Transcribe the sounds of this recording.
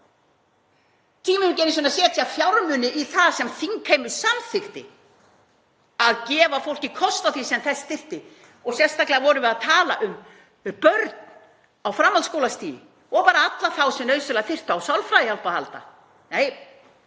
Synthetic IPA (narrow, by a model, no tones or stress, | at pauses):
t̪ʰiːmɪʏcɛːnɪsvɛnasjɛːt̪ʰiafjawɾmʏnɪʔiθaðsɛmθiŋkʰeːjmʏɾsamθɪxt̪ɪ̰ | aðcɛːvafowl̥cɪkʰɔst̪aθisɛmθɛst̪ɪr̥t̪ɪ | ɔɣsjɛnst̪aklɛavɔɾʏvɪðaðt̪ʰaːlaʔʏm | pœɾt̪n | awfɾamːalskowlast̪ḭːjɪ̰ | ɔɣpaːɾaat̪laθawsɛnœːɥsʏlaaθɪr̥t̪ʏawsawlfɾaːjɪhal̥paha̰lt̪a̰ | neːj